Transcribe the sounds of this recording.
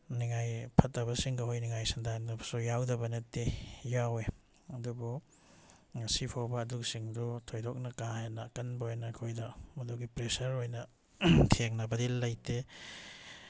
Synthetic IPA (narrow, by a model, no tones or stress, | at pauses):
niŋajpʰɐtːɐβɐsiŋɡɐɦojniŋajsɐndandɐbɐ̥sujawdɐbɐnɐtːejawe | ɐdubu | sipʰawbɐːduk̚siŋdutʰojdok̚nɐkahenakɐnbojnɐkʰojdɐmɐduɡipɾesɐɾojnɐ | tʰeŋnɐbɐdilɐjte